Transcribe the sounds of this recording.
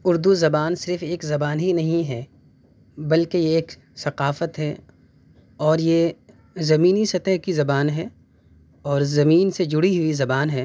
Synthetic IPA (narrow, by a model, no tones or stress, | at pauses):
ʊɾd̪uzɐbaːnsɪɾfeːkzɐbaːnɦinɐɦĩɦɛ | bɐlkejeːk | sɐqaːfət̪ɦɛ | ɔːɾje | zɐmiːnisɐt̪əɦkizɐbaːnɦɛ | ɔːɾzɐmiːnsed͡ʒʊɽiɦʊizɐbaːnɦɛː